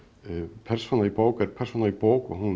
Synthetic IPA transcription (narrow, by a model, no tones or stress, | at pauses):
pʰɛr̥sonaɾipoːwkɛɾpʰɛrsonaɾipoːwkɔɦun